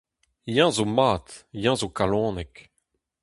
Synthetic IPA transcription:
jɑ̃ːzomaːt̪jɑ̃ːzokalɔ̃ːnɛk

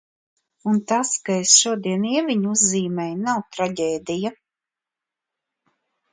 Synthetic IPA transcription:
unt̪askaesʃuɔd̪iɛniɛviɲuzːiːmɛjnawt̪ɾaɟʲeːd̪ija

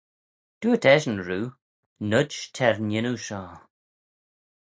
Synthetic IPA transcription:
d̥uətʰɛʒən̩ɹuː | nədʃtʰɛɹnɪnuʃɔː

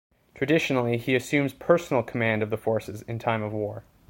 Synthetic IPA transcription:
tʰɹ̥ɨdɪʃn̩l̩ˠiiɨsʉ̃mz̥pʰɜ˞sn̩l̩ˠkʰəmæ̃ndʌvðəfɔɹsɨzɨ̃ntʰãɪ̃mʌvwɔɹ

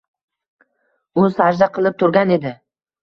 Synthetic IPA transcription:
ʊsaɾʒd̪aqʰɨlˠɪp̚t̪ʰʊɾɡʲane̞d̪ɪ

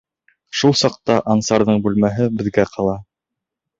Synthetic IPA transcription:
ʃulˠsɑq̚t̪ɑʔɑnsɑɾðɤɴbʉlmæɦɘbɘ̆ðɡæqʰɑlˠɑ

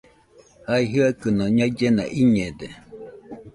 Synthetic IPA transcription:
haiɦɯakɨnoɲaid͡ʒenã̰ʔiɲẽd̪e

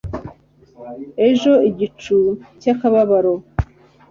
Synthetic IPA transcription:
e̞ʒo̞iɟit͡ʃucakaβaβaɾo

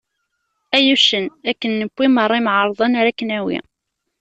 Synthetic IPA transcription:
æjuʃənækːənːəkʷːimərˤːimʕɑɾˤðˤɑnaɾækːənæwḭ

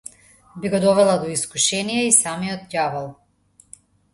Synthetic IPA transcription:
biɡɔd̪ɔvɛlˠad̪ɔiskuʃɛnijɛisamiɔt̪javalˠ

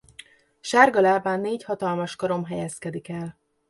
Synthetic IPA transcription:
ʃaːrɡɒlaːbaːnːeːchɒt̪ɒlmɒʃkɒɾo̞mɦɛjɛskɛd̪ikɛl

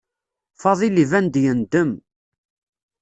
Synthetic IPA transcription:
fɑðˤilivænd̪jənd̪əm

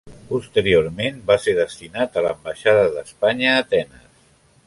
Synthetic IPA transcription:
pust̪əɾioɾmembaseɾðəst̪inat̪ələ̰mbaʃaðəðəspaɲəːt̪ɛnə̰s

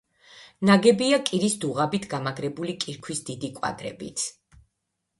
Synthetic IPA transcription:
naɡɛbiakʼiɾisd̪uʁabit̪ʰɡamaɡɾɛbulikʼiɾkʰwisd̪id̪ikʼwa̰ɡ̪ɾɛ̰bḭt̪sʰ

